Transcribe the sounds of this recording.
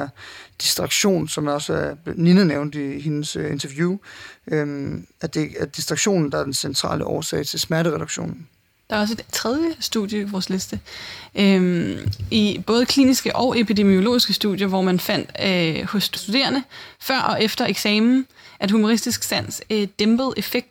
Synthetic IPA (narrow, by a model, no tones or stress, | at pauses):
ɐd̥isd̥ʁɑ̈ɡ̥ɕo̝̰ːnsɒ̽mɒ̽sæb̥ninəneʊ̃nd̥ihe̝nəsøe̝nt͡sʰɐʋjuøæd̥e̝æɐd̥isd̥ʁɑ̈ɡ̥ɕo̝̰ːnn̩d̥ɑ̈æɐd̥ensent͡sʰʁɑ̰̈ːləʔɒːsɛ̰ɪt͡sʰe̝lsmæɐɾəʁɛɾ̥aɡ̥ɕo̝̰ːnn̩ | d̥ɑ̈æɒ̽s̬e̝d̥t͡sʰʁɛð̞ˠjəsd̥ṵðˠjəiʋɒːsle̝sd̥əʔømib̥ɔ̽ːð̞̩ˠəkʰlḭːnisɡ̥əʔɒ̽ʊʔe̝pʰid̥e̝mio̝lo̝̰ːisɡ̥əsd̥ṵðˠjɐʋɒmænfæn̰d̥hɔ̽ssd̥ud̥e̝̰ːɐnəfɶɐ̰ʔɒ̽ʔefd̥ɐe̝ɡ̥sɛːmn̩ʔæ̥humo̝ʁisd̥isɡ̥sæn̰sd̥emb̥əð̩ˠe̝feɡ̥̚d̥